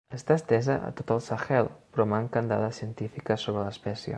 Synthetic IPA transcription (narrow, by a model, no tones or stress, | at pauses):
əst̪aəst̪ɛzəʔə̰t̪ot̪əlˠsaxɛlˠpɾɔmaŋkənd̪a̰ðəsiənt̪ifikəsoβɾələspɛsiə̰